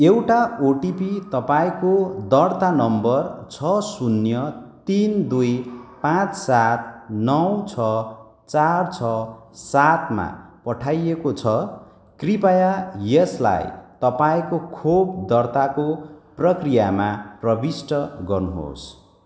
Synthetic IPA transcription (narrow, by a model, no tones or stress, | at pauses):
ewʈaoʈipit̪ʌpaĩkod̪ʌrt̪anʌmbʌrt͡sʰʌsunjʌt̪ind̪ujpãt͡ssat̪̚nʌwt͡sʰʌ | t͡sart͡sʰʌsat̪ma̰pʌʈʰajekot͡sʰʌ | kripajajesla̰jt̪ʌpaĩkokʰobd̪ʌrt̪akoprʌkrijamaprʌbisʈʌɡʌrnuɦo̰s